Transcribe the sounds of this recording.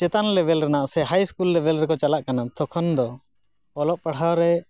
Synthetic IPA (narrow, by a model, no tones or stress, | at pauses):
t͡ʃɛt̪anlɛbɛlɾɛnaʔsɛɦajskulːɛbɛlɾɛkɔt͡ʃalaʔkanat̪ʰɔkʰɔnd̪ɔ | ɔlɔʔpaɽawɾɛ